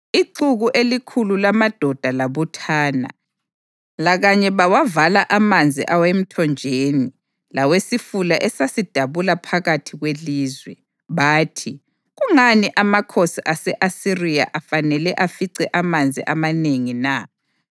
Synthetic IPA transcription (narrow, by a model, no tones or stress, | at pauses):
iǃuɣuʔelikʰululamad̥ʱɔd̥ʱalaβutʰaːna̰ | laɣaɲɛβawavalaʔamand͡zʱḭʔawem̩tʰɔnd͡ʒʱeːni | lawesifulaʔɛsasid̥ʱaβulapʰaɣatʰiɣweliːzwɛ | βaːtʰi | ɣuŋaniʔamakʰosiʔasɛʔasirija̰ʔafanɛlɛʔafiǀɛʔamand͡zʱiʔamaneŋina